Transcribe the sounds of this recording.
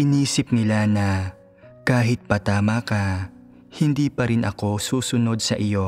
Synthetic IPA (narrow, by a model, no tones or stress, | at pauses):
ʔɪniːsɪp̚nɪlanɐ | kaːɦɪt̪̚pɐt̪aːmakɐ | hɪnd̪iːpɐɾɪnʔɐ̰ko̞suːsʊno̞d̪̚sɐʔɪjo̞